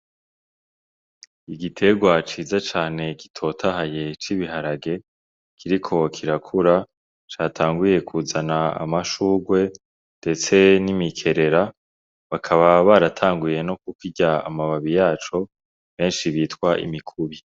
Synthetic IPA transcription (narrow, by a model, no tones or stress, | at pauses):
iɡitʰe̞ɡwat͡ʃiːzat͡ʃaːne̞ɡi̥tʰo̞tʰahaje̞t͡ʃiβiɦaɾaɡe̞ | kʰiɾikʰo̞kʰiɾakʰuɾa | t͡ʃaːtʰaːŋɡuje̞kʰuzanaa̰maʃuːɡwe̞ | nde̞t͡se̞nimikʰe̞ɾe̞ɾa | βakʰaβaβaːɾatʰaːŋɡuje̞no̞k̚ukiɟaa̰maβaβijaːt͡ʃo̞ | βe̞ːnʃiβiːtkwaʔḭmikʰuβi